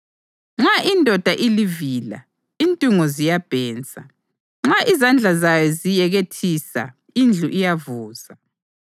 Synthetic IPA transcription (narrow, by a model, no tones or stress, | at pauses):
ŋ͡ǁaʔindʱɔd̥ʱaʔiliviːla̰ | intʼiŋɔzijab̥ʱɛːnt͡sʼa | ŋ͡ǁaʔizand͡ɮʱazajɔzijɛɣetʰisa̰ | ind͡ɮʱuʔijavuːza